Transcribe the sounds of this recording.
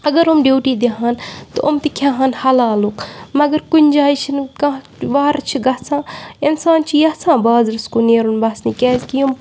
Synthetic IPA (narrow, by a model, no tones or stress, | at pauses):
ɐɡɐɾumɖiːwʈiːd̪eɦaːnt̪oʔomt̪ikʰjaːɦanhɐlaːlukmɐɡɐɾkʊnʲd͡ʒaːit͡ʃʰinkã | ʋaːɾt͡ʃʰiɡɐːsãːɪnsaːnt͡ʃʰijɐsãːbaːzɾɐskoneːɾunbaːsniːkɛːzkium